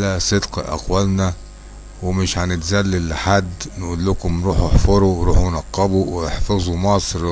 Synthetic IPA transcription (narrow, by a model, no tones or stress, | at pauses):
læsˤed̪qʔæ̰qwælnæ | wɪmɪʃʕanɪt̪zælːɪlːħad̪ːnʔuːlːʊkʊmɾuːħeħfɑɾˤuwɾuːħwnɑqːɑbuwɪeħfɑzˤumɑsˤɾ